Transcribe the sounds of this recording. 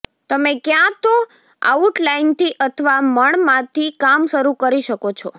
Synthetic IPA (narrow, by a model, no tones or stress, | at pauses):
t̪əmẽkjãt̪o | a̰uʈlaint̪ʰiʔət̪ʰəʋaməɳmãt̪ʰikamʃəɾukəɾiʃəkot͡ʃʰɔ